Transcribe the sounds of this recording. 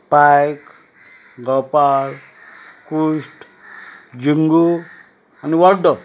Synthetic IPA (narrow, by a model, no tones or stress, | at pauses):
pajk | ɡɔpaɾ | kusʈ | d͡ʒiŋɡu | ʌniwʌɾɖ̪ɔ